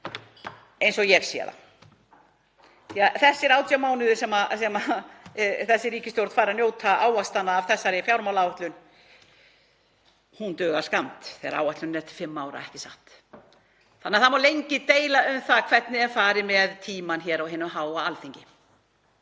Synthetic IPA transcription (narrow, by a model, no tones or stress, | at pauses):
ejnsɔɣjɛɣsḭːa̰ða̰ | θiaθɛsːɪɾaːwt̪jamaːwnɪðʏsɛmasɛma | θɛsːɪɾiːcɪst̪jowɾt̪faːɾɪanjoːwt̪ʰaaːwast̪anːaːv̥θɛsːaɾɪfjawɾmawlawaht̪lʏn | hunt̪œːɣaɾ̥skamt̪θɛːɣa̰ɾa̰waht̪lʏnːɛɾ̥t̪ʰɪ̥fɪmːaːwɾa̰ɛhcɪsaht̪ | θanːaθamawlejɲcɪt̪eːjlaʏmθakʰv̥ɛt̪nɪɛfaːɾɪmɛðt̪ʰiːmançɛːɾawɦɛːnʏmɦaːwaalθiɲcɪ